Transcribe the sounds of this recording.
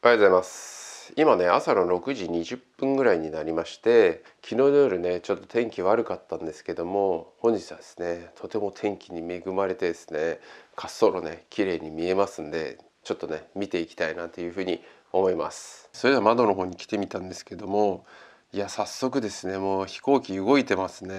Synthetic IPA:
ajatozaimasɨ̥imane̞asano̞ɾo̞kɯ̟ʑiɲ̟iʑɨpːɯ̟̃ŋɡɯ̟ɾaiɲ̟inaɾʲimaɕi̥t̪e̞ | kʲʰino̞ːd̪ojoɾʲɯ̟ne̞t͡ɕo̞t̪ːo̞̥t̪ẽ̞ŋkʲiβaɾɯ̟kat̪ːãnd̪e̞sɨ̥ke̞d̪o̞mo̞hõ̞ɲ̟d͡ʑit͡sɨβad̪esɨ̥ne̞t̪ʰo̞t̪e̞mo̞t̪ʰẽ̞ŋkʲiɲ̟ime̞ɡɯ̟maɾe̞t̪e̞d̪e̞sɨ̥ne̞kʰasːo̞ɾo̞̰ne̞kʲiɾe̞ːɲ̟imʲie̞masɨ̃nd̪e̞̰ | t͡ɕo̞t̪ːo̞ne̞mʲit̪e̞ikʲi̥t̪ainat̪ːe̞jɯ̟ːɸɯ̟ːɲ̟i | o̞mo̞ima̰sɨ̥so̞ɾed̪eamad̪o̞no̞ɦoːɲ̟ikʲi̥t̪e̞mʲit̪ãnd̪e̞sɨ̥ke̞d̪o̞mo̞ | iasasːo̞k̬ɯ̟d̪e̞sɨne̞moːçi̥ko̞ːkʲiɯ̟ɡo̞it̪e̞masɨne

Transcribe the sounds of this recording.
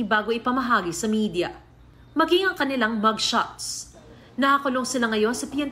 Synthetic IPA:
ibaːɡo̞ʔɪpɐmɐɦaːɡisɐmiːd̪jɐ | mɐɡiŋɐŋkɐnɪlaŋmɐɡʃat̪s | nɐhakʊloŋsɪlaŋɐjo̞nsɐpjɛnt̪

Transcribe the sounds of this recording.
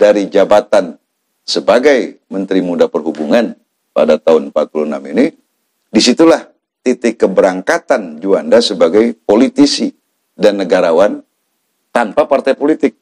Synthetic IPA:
daɾid͡ʒabat̪an | səbaɡajmənt̪ɾimudapərɦubuŋan | pa̰dat̪aɦʊnpat̪̚pulunamini | disit̪ulah | t̪it̪ɪkːəbəɾaŋkat̪and͡ʒuandasəbaɡajpolit̪isi | danːəɡaɾawan | t̪anpapart̪ajpolit̪ɪk̚

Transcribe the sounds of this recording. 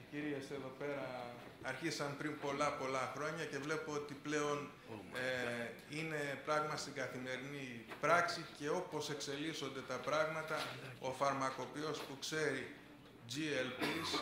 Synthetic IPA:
ciɾe̞se̞ðo̞pe̞ɾɐ | ɐɾçisɐmpɾimpo̞lɐpo̞lɐxɾo̞ɲɐce̞vle̞poot̪iple̞o̞n | ine̞pɾɐɣmɐst̪iŋɡɐθime̞ɾinipɾɐksice̞o̞po̞se̞kse̞liso̞nd̪e̞t̪ɐpɾɐɣmɐt̪ɐo̞fɐɾmɐko̞pio̞spukse̞ɾi | d͡ʒielpis

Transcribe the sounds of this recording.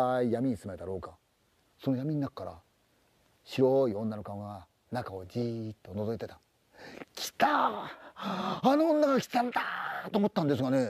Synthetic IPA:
aijamʲiɲ̟isɨmed̪aɾo̞ːka | so̞nojamʲiɲ̟inakkːaɾa̰ | ɕiɾo̞iõ̞nːano̞kaŋa | nakaod͡ʑit̪ːo̞no̞zo̞it̪e̞t̪ḁ | kʲʰi̥t̪a | anõ̞ːnːaɡakʲi̥t̪ãnt̪at̪o̞ːmot̪ːãnd̪e̞s̬ɨɡane̞

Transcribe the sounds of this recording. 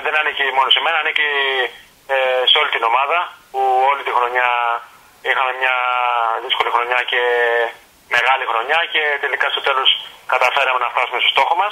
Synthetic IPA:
ðe̞nɐnicimo̞no̞se̞me̞nɐːnici | eseo̞lit̪ino̞mɐðɐpuo̞lit̪ixɾo̞ɲɐ | ixɐme̞mɲɐðisko̞lixɾo̞ɲɐce̞ | me̞ɣɐlixɾo̞ɲɐce̞t̪e̞likɐst̪o̞t̪e̞lo̞skɐt̪ɐfe̞ɾɐmenɐft̪ɐsumest̪o̞st̪o̞xo̞mɐs

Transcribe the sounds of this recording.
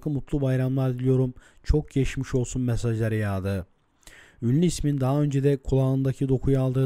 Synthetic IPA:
kmut̪lˠubajɾamlˠaɾd̪ilʲijo̞ɾum | t͡ʃʰo̞k̚ɟʰeʃmiʃo̞lˠsunmɛsaʒlˠaɾajaːd̪ɯ | ynlʲiismind̪aɦaø̞nd͡ʒed̪ɛkʰulˠaːɯnd̪acʰid̪o̞kʰujalˠd̪ɯː

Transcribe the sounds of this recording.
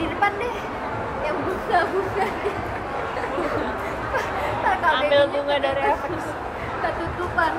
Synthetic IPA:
irpandɛh | jaŋbusabusadɛ | akaabɪld͡ʒuŋadaɾa | kət̪ut̪upan

